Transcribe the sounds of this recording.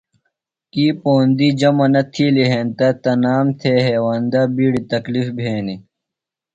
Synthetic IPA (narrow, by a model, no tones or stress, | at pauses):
kiːpoːnd̪id͡ʑɐmɐnɐt̪ʰiːliɦent̪ɐt̪ɐnaːmt̪ʰeːɦeːwaːnd̪abiːɽit̪ɐklifbʱeːni